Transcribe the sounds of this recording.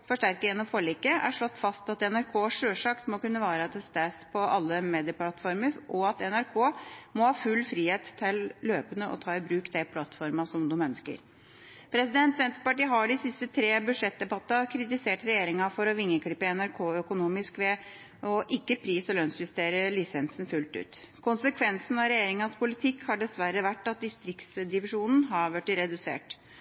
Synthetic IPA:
fɔʂʈæɾkəjɛnɔfɔɭɪkːəʔæ̰ʂɭɔt̪ːfɑst̪ɑt̪ɛnæɾkʰoːʂøːʂɑːkt̪mɔkʉnːəʋæːɾəɑt̪ʰɛst̪æːspʰɔʔɑlːəmeːd̪ɪəplɑt̪fɔɾməɾʔɔɑt̪ɛnæɾkʰoːmɔhɑːfʉlːfɾiːheːt̪ʰːɪlːøːpənəʔɔ̰t̪ʰɑːɪbɾʉːkd̪ɛpʰlɑt̪fɔɾmɑsɔmd̪ʉmœnskə̰ɾ | pʰɾɛsɪd̪ɛnt̪sɛnt̪ɾəpɑʈiːəɦɑɖɪsɪst̪ət̪ʰɾeːbʉʂɛt̪̚d̪ɛbɑt̪ːɑkʰɾɪt̪ɪseːʈɾɛjeːɾɪŋɑfɔɾɔʋɪŋːəkʰɽɪpːəɛnæɾkʰoːœkʊnuːmɪskʋɛ | ʔɔʔɪkːəpʰɾiːsɔlœnsjʉst̪eːɾəlɪsɛnsn̩fʉlt̪ʉ̰ːt̪ | kʰʊnsəkʰʋɛnsn̩ɑɾɛjeːɾɪŋənspʊlɪt̪ʰɪkːhɑɖɛsʋæɾəʋæʈːɑt̪̚d̪ɪst̪ɾɪkt̪sd̪ɪʋɪʂuːnn̩ɦɑɾʋæʈːɪɾɛd̪ʉsḛːʈ

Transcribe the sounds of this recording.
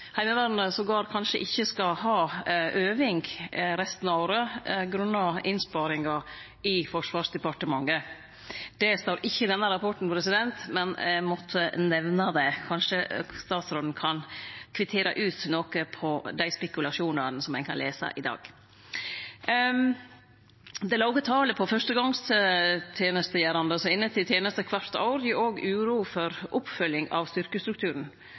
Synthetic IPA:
hæɪməʋɑːɾnəsɔɡɑːɾkʰɑnʂəʔɪçːəskɑhɑːʔøːʋɪŋɡɾɛst̪n̩ɑoːɾəɡɾʉnːɑɪnspɑːɾɪŋɑ | ɪfɔʂʋɑːʂd̪ɛpɑʈəmɑŋːə | d̪̥ɛst̪oːɾɪçːəd̪ɛnːəɾɑpɔʈɳ̩pɔpɾɛsɪd̪ɛnt̪mɛnɛmɔt̪ʰːənɛʋnɑd̪ɛkʰɑnʂəst̪ɑːt̪sɾoːd̪n̩kʰɑnkʰʋɪt̪ʰeːɾɑ̰ʔʉːt̪noːkəpʰɔd̪æɪspɛkʉlɑʂuːnɑɾnsɔmːænkʰɑnleːsɑ̰ʔɪd̪ɑ̰ːɡ̥ | d̪ɛlɑʊɡət̪ʰɑːləpʰɔfœʂʈəɡɑŋst̪ət̪ʰjeːnəst̪əjæːɾɑnd̪əsɔɪnːət̪ʰɪlt̪ʰjeːnəst̪əkʰʋɑt̪ɑ̰ʊɾʔoːɡʉːɾuːfɔɾʊpfœljɪŋɑ̰ʋst̪ʏɾkəst̪ɾʉkt̪ʰʉːɾəɳn̩

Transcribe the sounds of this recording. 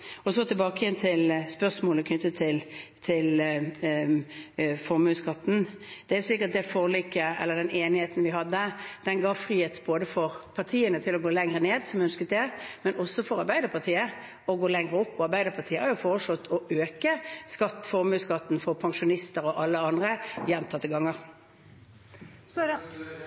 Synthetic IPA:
ɔsɔt̪ʰɪlbɑːkəjɛnt̪ʰɪlspœʁʂmoːləkʰnʏt̪ːət̪ʰɪlt̪ʰɪl | fɔɾmʉːskɑt̪ːn̩d̪̥ɛæsɪkːət̪̚d̪ɛfoːʁliːkːəɛ̰lːəd̪ɛneːnɪheːt̪n̩ʋɪɦɑd̪ːəd̪̥ɛnɡɑːʋfɾiːheːt̪boːd̪əfɔɾpʰɑʁt̪ʰiːənət̪ʰɪlɔɡoːlɛŋʁəneːd̪sɔmœnskət̪̚d̪ɛmɛnɔsːɔfɔɾɑɾbæɪd̪əpʰɑʁt̪ʰiːə | ɔɡoːlɛŋʁəɔpːɔɑɾbæɪd̪əɾpʰɑt̪iːəhɑɾjʊfɔːʁʂlɔt̪ʰːɔøːkəskɑt̪ːfɔɾmʉːskɑt̪ːn̩fɔɾpʰɑŋʂʊnɪst̪əɾɔʔɑlːəɑnd̪ʁəjɛnːt̪ʰɑːt̪ʰɪlɡɑŋːəɾ

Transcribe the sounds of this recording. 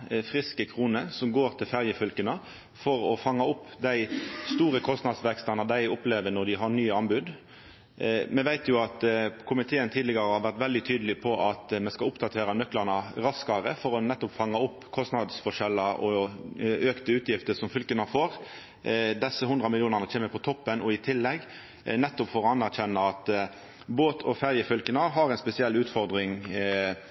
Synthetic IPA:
fʁɪskəkʰɾuːnəsɔmɡoːɾt̪ʰɪlfæʁjəfʏlkənə | fɔɾɔfɑŋːɑʊpːd̪æɪst̪uːɾəkʰɔst̪nɑd̪sʋɛkst̪ɑnɑd̪æɪʊpleːʋənɔɾd̪ɪɦɑɾnyːɑnbʉd̪ | mɛʋæɪt̪ʰjʊɑt̪kʰʊmɪt̪ʰeːənt̪ʰiːd̪lɪɡəɾəhɑʋæʁt̪ʋɛld̪ɪt̪ʰyːd̪əlɪpʰɔʔɑt̪mɛnskɑʊpd̪ɑt̪ʰeːɾɑnœklɑʁɳɑɾɑskɑɾəfɔɾɔnɛt̪ːɔpfɑŋːɑʊpːkʰɔst̪nɑd̪sfɔʂɛlːɑʔɔ | øːkt̪əʉːt̪jɪft̪əsɔmfʏlkənɑfoːɾ | d̪ɛsːəhʉnd̪ʁɑmɪljuːnəʁnət͡ʃʰeːməpʰɔt̪ʰɔpːənɔɪt̪ʰɪlːɛɡː | nɛt̪ːʊpfɔɾɔɑnæʁc͡çɛnːəɑt̪ | boːt̪ʰɔfæɾjəfʏlkənɑɦɑɾɛɪnspɛsɪɛlːʉːt̪fɔɾd̪ʁɪŋ

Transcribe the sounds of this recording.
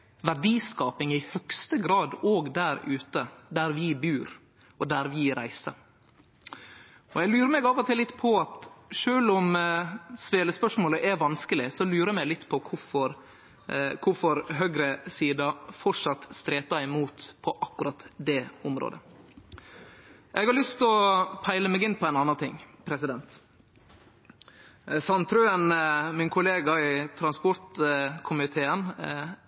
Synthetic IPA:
ʋæɖiːskɑːpɪŋɪhœkst̪əɡɾɑːd̪oːɡd̪æɾʉːt̪əd̪æɾʋɪbʉːɾ | ɔd̪æɾʋɪɾʔæɪsəɾ | ɔjæɪlʉːɾəmɛɡɑʋɔt̪ʰɪlɪt̪ːpʰɔɑt̪ʂøːlʊm | sʋeːləspœʂmoːləʔɛʋɑnskəlɪsɔlʉːɾəmɛɪlɪt̪ːpʰɔkʰʊfɔɾ | kʰʊfɔɾɦøɡɾəsiːd̪ɑfɔʂɑt̪ːst̪ɾeːt̪ɑɪmuːt̪pʰɔʔɑkːʉɾɑt̪d̪ɛʊmɾo̰ːd̪ə̰ | ʔɛɡhɑɾlʏst̪ɔpʰæɪləmɛɡɪnːpʰɔɛɪnɑnːɑnt̪ʰɪŋːpʰɾɛsɪd̪ɛnt̪ | sɑnt̪ʰɾøːənmɪnkʰʊleːɡɑɪt̪ʰɾɑnspɔɾt̪kʰʊmɪt̪ʰeːən

